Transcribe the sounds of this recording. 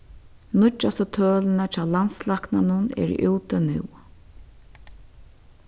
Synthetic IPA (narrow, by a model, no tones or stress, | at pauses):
nʊt͡ʃːast̪ɔt̪ʰœːlɪnat͡ʃʰaːwlanslaknanʊnɛ̰ɾ̰ʔuːt̪ənɪ̰w